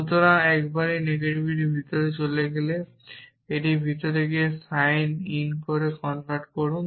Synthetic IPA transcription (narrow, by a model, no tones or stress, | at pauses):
ut̪oɾaɛkbaɾineɡeʈibʱiʈibʱit̪oɾet͡ɕoleɡele | eʈibʱit̪ɔɾeɡiesajninkoɾekɔnpaɾʈkoɾun